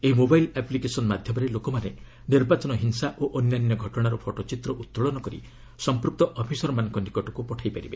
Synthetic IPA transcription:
eɦimobajlaplikesɔnmad̪ʱjɔmɔɾelokɔmanḛ | niɾbat͡ʃɔnɔɦinsaʔoʔɔnjanjɔɡʱɔʈɔɽ̃aɾɔpʰoʈɔt͡ʃit̪ɾɔʔut̪ːɾuɭɔnɔkɔɾḭ | sɔmpɾuk̚t̪ɔʔɔpʰisɔɾɔmanɔŋkɔnikɔʈɔkupɔʈʰajpaɾibe

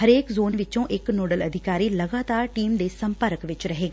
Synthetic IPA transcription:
ɦɐɾeːkzoːnʋɪt͡ʃõʔɪknoːɖəlɐd̪ʱɪkaːɾilɐɡaːt̪aːɾʈiːmd̪esɐ̃mpəɾkʋɪt͡ʃɾɐɦeːɡaː

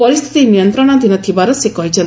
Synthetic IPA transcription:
pɔɾist̪ʰi̥t̪inijɔnt̪ɾɔɽ̃ɔd̪inɔt̪ʰibaɾɔsekɔɦit͡ʃʰɔnt̪

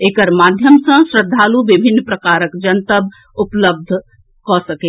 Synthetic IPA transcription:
eːkəɾmaːd̪ʱjəmsə̃sɾəd̪ʱːaːluʋɪbʱɪnːpɾɐkaːɾəkd͡ʒɐnt̪əb | ʊpləb̚d̪ʱ | kɔːsɐkeː

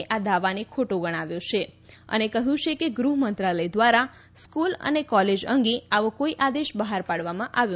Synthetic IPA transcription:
ʔad̪aʋanekʰoʈoɡəɽ̃aʋjot͡ʃʰeə̰nekəɦjũt͡ʃʰekeɡɾuɦmənt̪ɾaləjd̪ʋaɾa | skulə̰nekɔled͡ʒəŋɡiaʋokoiʔad̪eʃbəɦaɾpaɽʋamãʔaʋjõ

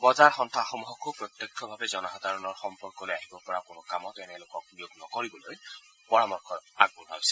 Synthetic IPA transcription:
bɔzaɹxɔnt̪ʰaxɔmuɦɔkʰupɹɔt̪jɔkʰːɔbʱabɛzɔnaxɔd̪ʱaɹɔnɔɹxɔmpɔɹkɔlojaɦibɔpɔɹakʊnʊkamɔtɛnɛlokɔk̚biuɡnɔkoɹibɔloj | pɔɹamɔɹkʰɔa̰ɡ̚bula̰sɛ̥

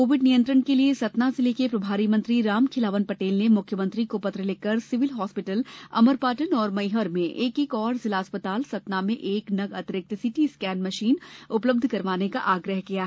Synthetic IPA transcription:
koːʋɪɖnijə̃nt̪ɾənkeliesɐt̪nazɪlekepɾɐbʱaːɾimə̃ɐ̃nt̪ɾiɾaːmkʰɪlaːʋənpɐʈeːlnemʊkʰjəmə̃nt̪ɾikopɐt̪ɾəleːkəɾsɪʋɪlɦɔːspɪʈəlɐ̰məɾpaːʈənɔːɾmɐɪɦəɾmẽʔeːkekɔːɾzɪlaːspət̪aːlsɐt̪namẽʔeːknɐɡɐt̪ɾək̚t̪sɪʈiskɛːnmɐʃiːnʊpləb̚d̪ʱkɐɾʋaːnekaʔaːɡɾəɦkija

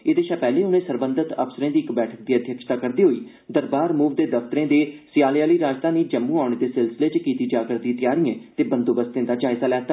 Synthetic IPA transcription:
ɪd̪eːʃaːpɛːlẽːʊnẽːsəɾbə̃nd̪ət̪ə̰psəɾẽːd̪iːɪkbɛːʈʰək̚d̪iːəd̪ʱjəkʃt̪aːkəɾd̪iːɦoːiː | d̪əɾbaːɾmuːʋd̪eːd̪əft̪əɾẽːd̪eːsɪjaːljaːliːɾaːd͡ʒt̪ãːniːd͡ʒəmːũːaːʊɳ̃eːd̪eːsɪlsɪleːt͡ʃkiːt̪iːd͡ʒaːɡəɾd̪ĩːt̪ɪjaːɾiːẽːt̪eːbənd̪oːbəst̪ẽːd̪aːd͡ʒaːɪzaːlɛːt̪aː

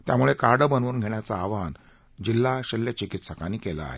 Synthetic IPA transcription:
t̪jamuɭekaɾɖəbənuːnɡʱeɳjat͡saːʋan | d͡ʑilːaɕelːet͡ɕikit̪sakaniːkela̰a̰ɦḛ

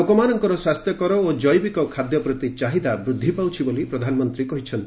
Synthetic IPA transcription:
okɔmanɔŋkɔɾɔswast̪jɔkɔɾɔod͡ʒɔjbikɔkʰad̪jɔpɾɔt̪it͡ʃaɦid̪abɾud̪ʱːipawt͡ʃʰibolipɾɔd̪ʱanɔmɔnt̪ɾikɔɦit͡ʃʰɔnt̪

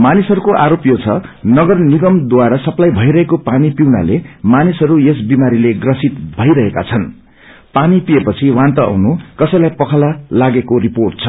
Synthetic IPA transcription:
manisɦʌɾukoʔaɾopjot͡sʰʌnʌɡʌrniɡʌmd̪waɾasʌplajbʱʌjɾʌɦekopanipiwna̰lemanisɦʌɾujesbimaɾileɡrʌsit̪bʱʌjɾʌɦeka̰t͡sʰʌn | panipiepʌt͡sʰiwãnt̪ʌʌ̰wnukʌsʌjlajpʌkʰlalaɡekoriporʈ̚t͡sʰʌ

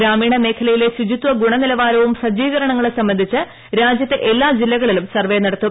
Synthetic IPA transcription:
ɾaːmiːɳɐme̞ːkʰɐlɐjile̞sud͡ʑit̪ʋɐɡuɳɐnilɐʋaːɾɐʋumsɐd͡ʑiːɣɐɾɐɳɐŋːɐɭesɐmbɐnd̪ʱit͡ɕːɨ | ɾaːd͡ʑjɐt̪ːe̞ʔelːaːd͡ʑilːɐɣɐɭilumsɐrʋenɐɽɐt̪ːu

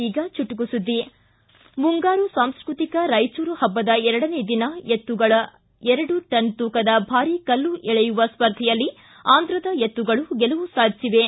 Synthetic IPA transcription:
iːɡɐt͡ʃuʈːuɡusud̪ːi | muŋɡaːɾusaːmskɾut̪ikɐɾɐjsuːɾuhɐbːɐd̪ɐɛɾɐɽɐneːd̪inɐjet̪ːuɡɐɭɐ | ɛɾɐɽuʈɐnt̪uːkɐd̪ɐbʱaːɾikɐlːuʔɛɭɛjuʋɐspɐɾd̪ʱɛjɐlːi | aːnd̪ɾɐd̪ɐjet̪ːuɡɐɭuɡɛlɐʋusaːd̪siʋe

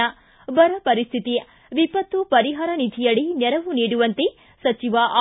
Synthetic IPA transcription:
ɐ | bɐɾɐpɐɾist̪ʰit̪ijɐ | ʋipɐt̪ʋupɐɾiɦaːɾɐnid̪ʱijɐɭinɛɾɐʋuniːɽuʋɐnt̪e | sɐt͡ʃiʋɐʔ

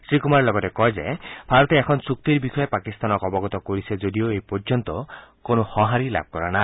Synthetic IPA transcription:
sɾikumaɾlɔɡɔtekɔɦed͡ʒa̰bʱaɾɔt̪eːkʰɔnsuk̚t̪iɾbikʰɔjepakist̪anɔkɔbɔɡɔt̪ɔkoɾised͡ʒodioejpɔɾd͡ʒɔnt̪ɔkonɔhɔ̃ɦaɾila̰b̚kɔɾana

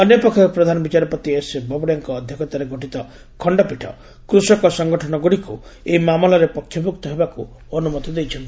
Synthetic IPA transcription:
ɔnjɔpɔkʰːɔkpɾɔd̪ʱanɔbit͡ʃaɾɔpɔt̪iesbɔbɔɽjaŋkɔːd̪ʱjɔkɔt̪aɾeɡʱoʈit̪ɔ | kʰɔɳɖɔpiʈʰɔ̰ | kɾusɔkɔsɔŋɡɔʈʰɔnɔɡuɽikueimamɔlɔɾepɔkʰjɔbukt̪ɔɦebaku | ɔnumɔt̪ɔd̪ejt͡ʃʰɔnt̪i̥

